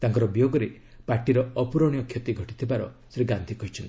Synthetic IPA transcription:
t̪aŋkɔɾɔbjoɡɔɾe | paɾʈiɾɔɔpuɾɔɽ̃ijɔkʰjet̪iɡʱɔʈit̪ʰibaɾɔ̰sɾiɡand̪ʱikɔɦit͡ʃʰɔnt̪i̥

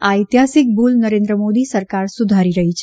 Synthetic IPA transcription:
ait̪ɦasɪk̚bulnəɾẽnd̪ɾəmod̪isəɾkaɾsʊd̪ʱaɾiɾəɦit͡ʃʰe

